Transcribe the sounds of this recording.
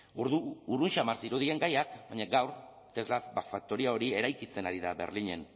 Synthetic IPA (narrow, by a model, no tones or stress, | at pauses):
uɾðuːrunʃamaɾsiɾuð̞ie̞ŋɡajak̚bajɲaɡawɾ | t̪e̞zlafbafak̚t̪o̞ɾiao̞ɾie̞ɾajkit͡se̞naɾiðaβe̞̰rliɲe̞̰n